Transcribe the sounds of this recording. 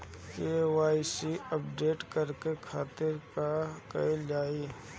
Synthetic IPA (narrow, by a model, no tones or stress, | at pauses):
kewaːisiɐp̚ɖeːʈkəɾkekʰaːt̪ɪɾkakɐ̰ed͡ʒaːiː